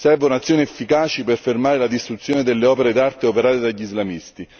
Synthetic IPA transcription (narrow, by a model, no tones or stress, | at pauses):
sɛrvounat̪sːjoːniefːikaːt͡ʃiperfermaːɾelad̪ist̪ɾut̪sːjoːned̪elːeɔːpeɾed̪art̪eopeɾaːt̪ed̪aʎːizlamist̪i